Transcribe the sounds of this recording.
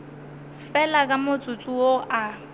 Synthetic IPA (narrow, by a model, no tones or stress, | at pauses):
fɛlakʼamʊt͡sʼʊt͡sʼuoʔa